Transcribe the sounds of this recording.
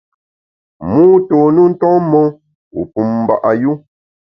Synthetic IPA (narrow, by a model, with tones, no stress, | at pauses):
muː˦to˨nu˦n̩˦tɔ̃˦mɔ˦ | ṵ˨pu˨mm̩˨ba̰˨ʔa˨ju˦